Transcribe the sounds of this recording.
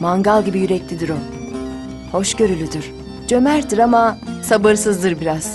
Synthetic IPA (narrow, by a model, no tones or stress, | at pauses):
maŋɡalˠɟibijyɾɛclʰʲid̪iɾo | ho̞ʃɟø̞ɾylʲyd̪yɾ̥ | d͡ʒømæɾd̪iɾamasabɯɾsɯzd̪ɯɾbiɾaz̥